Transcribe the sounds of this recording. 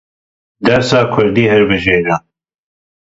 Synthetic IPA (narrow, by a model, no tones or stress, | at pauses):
d̪ɛɾsɑːkʰʊɾd̪iːhɛɾbɨʒeːɾa